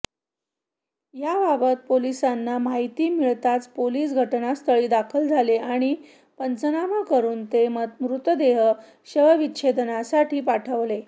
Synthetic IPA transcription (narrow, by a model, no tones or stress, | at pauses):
jababət̪̚polisanːamaɦit̪iːmiɭt̪at͡spoliːsɡʱəʈnast̪ʰəɭiːd̪akʰəld͡zʱaleaɽ̃i | pənt͡sənamakəɾuːnt̪eməmɾut̪əd̪eɦə | ɕəɦəʋiɕʰed̪nasaʈʰiːpaʈʰəʋle